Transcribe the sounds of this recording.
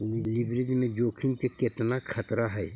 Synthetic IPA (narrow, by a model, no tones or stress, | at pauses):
lɪbɾɪd͡ʒmẽd͡ʒoːkʰimkekɪt̪nakʰɐt̪ɾaɦɛː